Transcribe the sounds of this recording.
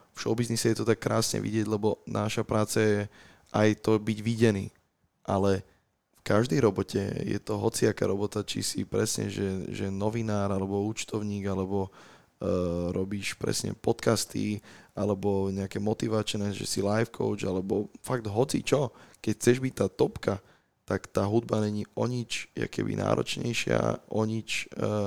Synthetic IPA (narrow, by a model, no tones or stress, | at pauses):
fʃɔʊbiznisɛjɛt̪ɔt̪akːɾa̰ːsɲɛ̰ʋḭɟɪɛɟlɛbɔnʔaʃapɾʔaːt͡sajɛ | ʔajt̪ɔbiɟʋiɟɛnḭː | ʔalɛ | fkaʒd̪ɛjɾɔbɔcɛ̰jɛ̰t̪ɔɦɔt͡siaka̰ɾɔbɔt̪at͡ʃḭsḭpɾɛsɲɛ̰ʒɛʒɛnɔʋinaːɾalɛbɔuːt͡ʃt̪ɔʊɲiːɡalɛbɔ | ɾɔbiːʃpɾɛ̰sɲɛ̰pɔt̪kast̪ḭalɛbɔɲɛakɛmɔt̪iʋat͡ʃnɛːʒɛ̰silajfkʰɔ̰ʊt͡ʃalɛbɔfaɡ̚d̪ɦɔt͡sḭt͡ʃɔkɛcxt͡sɛʒbict̪aːt̪ɔpka | t̪akt̪aːɦud̪baɲɛɲiɔɲit͡ʃja̰kɛ̰bḭnʔa̰ːɾɔ̰t͡ʃɲɛjʃɪa̰ʔɔɲit͡ʃː